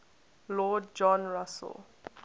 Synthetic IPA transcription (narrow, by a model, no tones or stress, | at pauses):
lɔd̚d͡ʒɔ̃nɹasə̰l